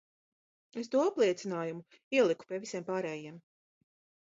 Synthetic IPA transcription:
es̬t̪uɔaplˠiɛt̪sinaːjumu | iɛlˠiku̥pʲiɛvisiɛmpaːɾɛːjiɛm

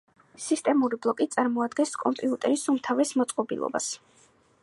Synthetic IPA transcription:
sist̪ʼɛmuɾiblˠɔkʼit̪sʼaɾmɔad̪ɡɛnskʼɔmpʼiut̪ʼɛɾisumt̪ʰavɛsmɔt̪sʼqʼɔbḭlˠɔ̰ba̰s

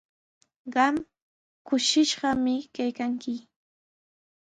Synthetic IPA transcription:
ɢɑm | kʊʃɪʃɢɑmɪkajkaŋkɪ

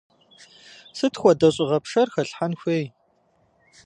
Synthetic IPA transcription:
sɨtʰxʷɔdɐɕʼɪʁɐpʂɐrxɐɬħanxʷeːj

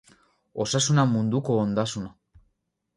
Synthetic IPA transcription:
o̞sasunamund̪uko̞ːnd̪asuna

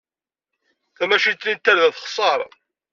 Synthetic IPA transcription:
θæmæʃit̪lint̪ːæɾðæθχsˤɑɾˤ

